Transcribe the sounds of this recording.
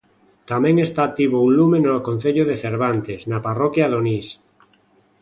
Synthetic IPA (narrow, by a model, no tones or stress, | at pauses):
t̪amẽŋest̪aːt̪iβoũnlumẽnoakõn̟θeʎoðeθeɾβant̪eznaparokjaðonis